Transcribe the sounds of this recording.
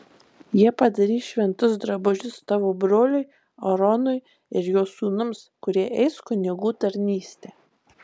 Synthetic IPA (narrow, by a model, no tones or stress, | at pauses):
jiɛpɐd̪ɐɾʲiːʃʲʋʲɛnt̪ʊsd̪ɾɐbʊʒʲʊst̪ɑːʋoːbɾoːlʲʊɪ | ɔɾɔnʊɪ | ɪɾjoːsuːnʊmskʊɾʲiɛʔɛɪskʊnʲɪɡuːt̪ɐɾʲnʲiːsʲt̪ʲeː